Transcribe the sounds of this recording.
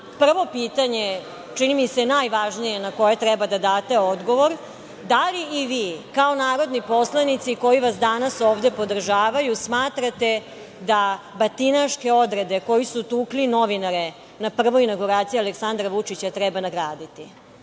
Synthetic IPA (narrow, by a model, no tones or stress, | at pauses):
pr̩ʋo̞piːt̪aɲe̞ | t͡ʃinimise̞najʋaʒnijenako̞jet̪ɾɛbad̪ad̪aːt̪e̞od̪ɡo̞ʋo̞ɾ | d̪aliːʋiːkao̞naːɾo̞d̪nipo̞slˠanit̪siko̞jiʋasd̪anasoːʋd̪e̞po̞d̪r̩ʒaːʋajusmaːt̪ɾat̪e̞ | d̪a | bat̪inaʃke̞o̞d̪ɾe̞d̪e̞ko̞jisut̪uːklino̞ʋinaɾe | napr̩ʋo̞inaɡuɾaːt̪sijaleksand̪ɾaʋut͡ʂit͡ɕat̪ɾɛbanaɡɾaːd̪it̪i